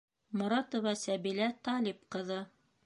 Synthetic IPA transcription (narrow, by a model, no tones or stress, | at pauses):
mŏɾɑt̪ŏvɑsæbilæt̪ɑlipqɤ̆ðɤ